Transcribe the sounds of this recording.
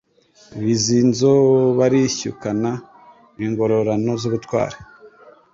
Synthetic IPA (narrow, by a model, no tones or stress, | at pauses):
βizinzoβaɾiçṵkana | niŋɡo̞ɾo̞ɾano̞zuβutwa̰ːɾe̥